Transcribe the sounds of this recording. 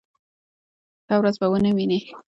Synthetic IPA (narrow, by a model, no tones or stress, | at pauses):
dawɾazbawənawine